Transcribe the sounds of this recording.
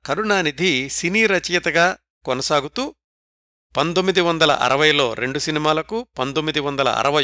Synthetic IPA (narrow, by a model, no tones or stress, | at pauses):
kɐɾuɳaːnid̪ʱisiniːɾɐt͡ʃɐjɐt̪ɐɡaː | konɐsaːɡut̪uː | pɐnt̪omːid̪iʋɐnd̪ɐlɐ̰ʔɐ̰ɾɐʋɐjlo̞ːɾe̞ɳɖusinimaːlɐkupɐnt̪omːid̪iʋɐnd̪ɐlɐ̰ɐ̰ɾɐʋɐ